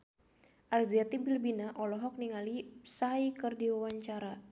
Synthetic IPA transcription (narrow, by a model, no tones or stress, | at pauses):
ʔard͡ʒiat̪ibilbinaʔɔlɔɦɔk̚niŋalisaikərdiwawaɲt͡ʃaɾa